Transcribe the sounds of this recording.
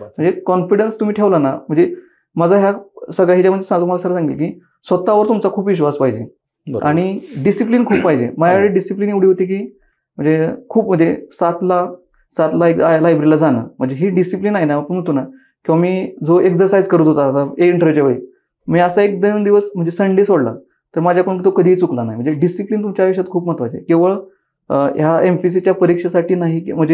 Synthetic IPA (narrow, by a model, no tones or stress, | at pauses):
m̤ə̃ɳd͡zekɔnfiɽənst̪um̤iːʈʰeʋlanam̤əɳd͡ze | mad͡zaɦjasəɡɭaɦit͡ɕaməd̪ʱːesaɡt̪ːumalasəɡəasãŋɡitlkiː | sʋət̪aʋəɾt̪umt͡sakʰuːpʋiɕʋaspaɦid͡ʑe | a̰ɽ̃iɖisiplinkʰuːppaɦid͡ʑḛməaʋeɭeɖisiplineuɽiɦot̪iːk̬iː | m̤əɳd͡zekʰuːpməd̪ʱːesat̪la | sat̪laalajbɾilad͡zanə̰ːm̤əɳd͡zeɦiɖisiplinaɦinaapəɳɦunt̪una | kĩwʋamiːd͡zoʔeksəɾsajd͡zkəɾuːt̪ɦot̪aːsaeiɳʈəɾʋjut͡ɕaʋəɭiː | miːəsaek̚d̪əmd̪iʋəsm̤əɳd͡zd͡ʑesəɳɖesoɽla̰ | t̪əɾmad͡ʑʱjakoɳũkt̪okəd̪ʱiːt͡suklanaɦim̤əɳd͡zd͡ʑeɖisipliːnt̪umt͡ɕjaʋəɕat̪̚kʰuːpm̤ət̪ʋad͡ʑḛkeʋəɭ | jaemfis̬it͡ɕjapəɾikʂasaʈiːnaɦikim̤əɳd͡ze